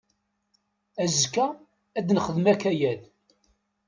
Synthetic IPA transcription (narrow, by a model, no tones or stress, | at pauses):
æzkːæ | æd̪nəχəðmækæjæl